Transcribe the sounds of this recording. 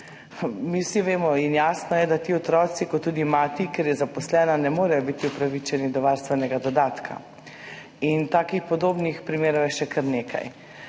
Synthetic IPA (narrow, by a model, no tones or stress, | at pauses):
miwsiʋeːmɔinjaːsnɔjɛd̪at̪iːɔt̪ɾɔːsikɔt̪ːuːd̪imaːt̪ikeɾjɛzapɔslɛːnanɛmoːɾɛjɔbit̪iupɾaʋit͡ʃɛnid̪ɔʋaːɾst̪ʋɛnɛɡad̪ɔd̪aːt̪kʰa̰ | int̪aːkixpɔd̪oːbnixpɾimeːɾɔwjɛʃɛkʰəɾneːkʰa̰j